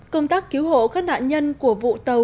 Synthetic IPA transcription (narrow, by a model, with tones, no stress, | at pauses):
kə˧wŋ͡mt̪aː˦˥kːi˨˦wɦo̰˧˨kaː˦˥k̚na̰ː˧˨nɲə˧nku˧˩əvṵ˧˨t̪ə˨˩w